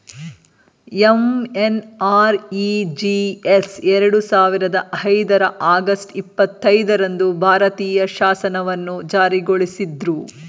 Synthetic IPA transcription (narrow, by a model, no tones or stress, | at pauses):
emenaːɾid͡ʒiesɛɾɐɽusaːʋiɾɐd̪ɐʔɐjd̪ɐɾɐʔaːɡɐsʈipːɐt̪ːɐjd̪ɐɾɐnd̪ubʱaːɾɐt̪iːjɐʃaːsɐnɐʋɐnːud͡ʒaːɾiɡoɭisid̪ɾu